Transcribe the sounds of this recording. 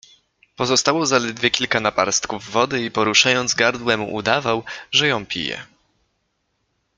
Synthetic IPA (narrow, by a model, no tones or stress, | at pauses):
pɔzɔst̪awɔzalɛd̪vʲjɛkʲilkanapaɾst̪kuvːɔd̪ɘipɔɾuʂajɔnd̪zɡaɾd̪wɛmṵʔud̪avawʐɛjɔ̃w̃pʲḭjɛ̰